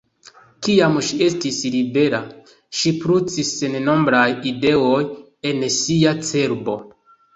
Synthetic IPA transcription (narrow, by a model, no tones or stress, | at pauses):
kiamʃie̞stislibe̞ɾa | ʃipɾut͡sisenno̞mbɾajide̞oj | e̞nsiat͡se̞ɾbo̞